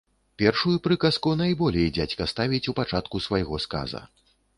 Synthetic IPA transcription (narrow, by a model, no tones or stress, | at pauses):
pʲɛrʂujupɾɨkɐskunajbɔlʲɛjd͡zʲat͡sʲkɐst̪avʲit͡sʲupat͡ʂat̪kusvajɣɔska̰zɐ̰